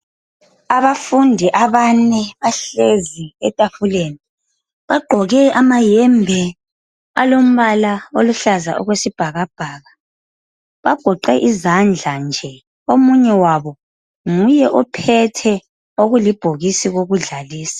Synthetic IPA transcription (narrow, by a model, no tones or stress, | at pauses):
aβafundʱiʔaβanɛβaɬeziɛ̰tʼafuleni | βaɡ͡ǃʱɔɣɛʔamajɛmbʱɛ | a̰lom̩βalaoluɬaza̰ʔɔ̰ɣwesib̥ʱaɣab̥ʱaːɣa | βaɡ̥ʱɔǃɛʔizand͡ɮʱand͡ʒʱɛ | omuɲɛwaβɔ | ŋujɛʔɔpʰɛtʰɛ | oɣulib̥ʱoɣisiɣoɣuɮaliːsḁ